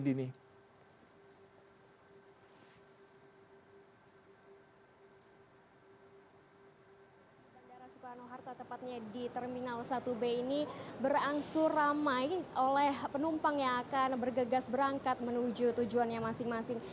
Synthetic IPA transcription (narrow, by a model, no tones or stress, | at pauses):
dini | d͡ʒadaɾasukaanoɦart̪at̪əpat̪̚ɲadit̪ərminalsat̪ubeinibəraŋsʊramajʔolɛhpənumpaŋjaːkanbərɡəɡasbəɾaŋkat̪̚mənud͡ʒut̪ud͡ʒuanjaŋmasɪŋmasɪŋ